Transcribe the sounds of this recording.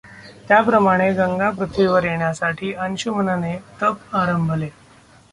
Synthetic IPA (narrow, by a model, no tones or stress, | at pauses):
t̪japɾəmaɽ̃eɡəŋɡapɾut̪ʰʋiʋəɾjeɳjasaʈʰiːənɕumənanet̪əpaɾəmbʱle